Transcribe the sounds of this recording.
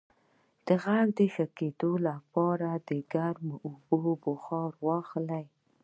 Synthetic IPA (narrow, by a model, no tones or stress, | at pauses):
d̪̥əɣaɡd̪əʃaked̪olapɑɾad̪əɡaɾmʔʊbobʊxɑɾwɑxlaj